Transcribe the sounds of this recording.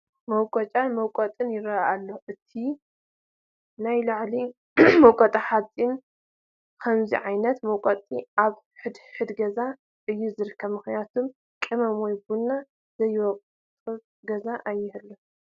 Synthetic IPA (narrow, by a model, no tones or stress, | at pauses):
mɐwkʼɔt͡ʃʼanmɐwkʼɐt̪ʼɨnjɪɾɐalːoʔɨt̪ʰi | najlaʕli | mowkʼot̪ʼaħat͡sʼːin | kʰɐmzḭʕajnɐt̪mɐwkʼɐt̪ʼiʔaβ | ħɨd̪ħɨd̪ɡɐza | ʔɨjːuzɨɾɨkʰːɐβmɨxnjat̪ʰum | kʼɨmɐmojbunːa | zɐjːwɔkʼ | t̪ʼɨ | ɡɐzaʔajːɪhɨlːo